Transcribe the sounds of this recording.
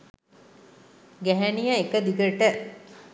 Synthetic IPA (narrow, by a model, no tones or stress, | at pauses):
ɡæɦænijəekəd̪iɡəʈə